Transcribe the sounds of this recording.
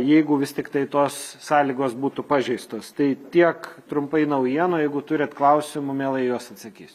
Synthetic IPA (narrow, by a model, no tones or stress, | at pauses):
jɛɪɡʊʋʲɪst̪ʲɪkt̪ɐɪt̪oːsːɑːlʲiːɡoːsbuːt̪ʊpɑːʒʲɛɪst̪oːst̪ɐɪt̪ʲiɛkt̪ɾʊmpɐɪnɐʊjiɛnoːjɛɪɡʊt̪ʊɾʲɛt̪klˠɐʊsʲɪmʊmʲeːlˠɐɪjuɔsɐt̪sɐkʲiːsʲ